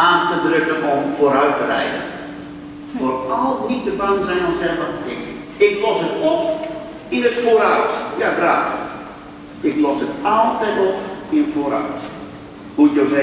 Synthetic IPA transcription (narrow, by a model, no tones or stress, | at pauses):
aːntədrøkənʔɔmfoɾœɥtərɛ̰jdə̰ | forɔlˠitəbaŋsɛjnɔsɛvəɪ | ɪklɔsətɔp | inətfoːɾawtjaɡraːt | ɪklɔsətɔlˠtɛjtɔpinətfoːɾa̰wt | hutjoːzɛ